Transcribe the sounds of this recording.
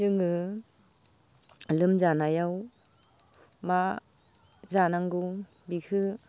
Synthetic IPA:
ɯŋɯ | lɯmzanajaw | ma | zanaŋɡu | bikʰɯ

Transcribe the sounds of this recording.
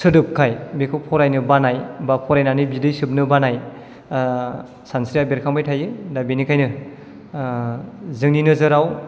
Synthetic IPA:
sɯdɯp̚kʰajbekʰɯpʰɔɾajnɯbanajbapʰɔɾajnanɯbidɯjsɯp̚nɯbanaj | sansɾijabeɾkʰaŋbajtʰajɯdabenikʰajnɯ | zɯŋninɯzɯɾaw

